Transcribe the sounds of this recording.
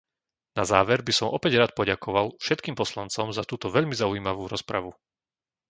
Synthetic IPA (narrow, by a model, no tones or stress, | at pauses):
nazaːʋɛɾbisɔmʔɔpɛɟɾaːt̪̚pɔɟakɔʋalfʃɛt̪̚kiːmpɔslant͡sɔmzat̪uːt̪ɔʋɛʎmizaujiːmaʋuːɾɔspɾa̰ʋu